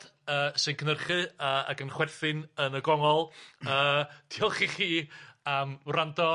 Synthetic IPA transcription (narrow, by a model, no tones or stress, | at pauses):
əːsɨnkʰənərχɨəːa̰ɡənχwɛrθɨnənəɡɔŋɔlˠəːd̥iɔlˠχiχiːamrandɔ